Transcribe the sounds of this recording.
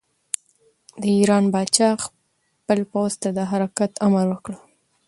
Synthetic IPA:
d̪əiɾɑnbɑt͡ʃɑx | pəlpawzt̪ad̪əɦaɾakat̪amaɾwəkɽə

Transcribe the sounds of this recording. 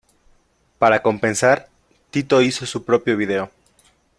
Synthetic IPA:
paɾako̞mpe̞nsaɾ | t̪it̪o̞iso̞supɾo̞pjo̞β̞iðe̞o̞

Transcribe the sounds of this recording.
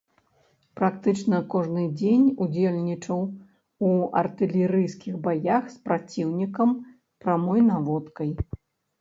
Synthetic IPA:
pɾakt̪ɨt͡ʂnɐkɔʐnɨd͡zʲenʲud͡zʲelʲnʲit͡ʂɐw | uɐ̰rt̪ɨlʲɛɾɨjskʲiɣbajaxspɾat͡sʲiwnʲikɐm | pɾamɔjnavɔt̪kɐj

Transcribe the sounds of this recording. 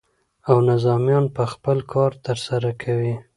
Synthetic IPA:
awnɪzɑmjɑnpəxpəlkʰɑɾt̪əɾsaɾakʰawi

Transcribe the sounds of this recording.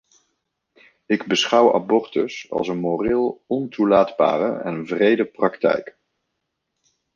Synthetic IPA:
ɪɡbəsχʌwa̰bɔrtəsɑ̰lˠsənmorɪlˠɔntulaːdba̰ːrə̰ɛ̰nvrejdəprɑktɛ̰jk

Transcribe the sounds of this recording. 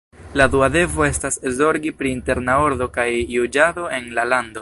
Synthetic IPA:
laduade̞vo̞e̞staszo̞ɾɡipɾiːnte̞ɾnao̞ɾdo̞kajːud͡ʒado̞e̞nlalando̞

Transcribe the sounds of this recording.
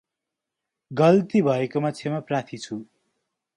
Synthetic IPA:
ɡʌlt̪ibʱʌekomat͡sʰemaprat̪ʰit͡sʰu

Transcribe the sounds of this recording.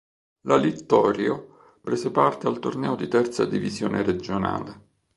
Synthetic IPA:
lalit̪ːɔːɾjo | pɾezepart̪ealt̪ornɛːod̪it̪ɛrt̪sa̰d̪ivizjo̰ːnʔeɾed͡ʒona̰ːle

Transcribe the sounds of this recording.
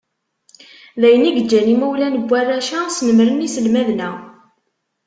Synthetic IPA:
ðæjəniɡəd͡ʒːænimæwlænəbʷːærːæʃæsnəmɾənisəlmæðnæ

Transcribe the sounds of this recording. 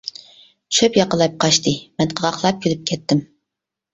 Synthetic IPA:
ʃøpjɑqəlˠɑjp̚qʰɑʃt̪ɨmɛnqʰəʁɑqlˠɑp̚kʲʰilɪp̚kʲʰɛt̪ːɪm

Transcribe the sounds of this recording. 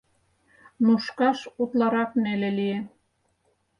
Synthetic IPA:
nuʃkɑʃut̪lɑɾɑknelelie

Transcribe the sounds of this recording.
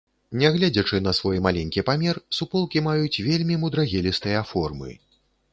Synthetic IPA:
nʲɛɣlʲad͡zʲɐt͡ʂɨnɐsvɔjmalʲɛnʲkʲipamʲɛrsupɔlˠkʲimajut͡sʲvʲelʲmʲimud̪ɾɐɣʲɛlʲist̪ɨjɐfɔrmɨ̰

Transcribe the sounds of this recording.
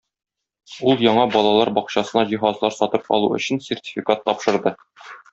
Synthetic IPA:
ulˠjɒɴɑbɒlˠɑlˠɑɾbɒqɕɑsɤ̆nɑʑiɦɑzlˠɑɾsɒt̪ɤp̚ɒ̰lˠuɵ̰̆ɕɘnsʲertʲi̥fʲikat̪ːɒpʃɤ̆ɾd̪ɤ

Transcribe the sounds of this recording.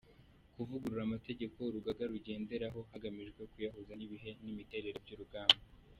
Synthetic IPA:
kuvuɡuɾuɾamate̞ɟe̞ko̞ɾuɡaɡaɾuɟe̞ːnde̞ɾaɦo̞haɡamiʒɡwe̞kujaɦozaniβiɦe̞nimite̞ɾe̞ɾebjuɾuɡaːmba

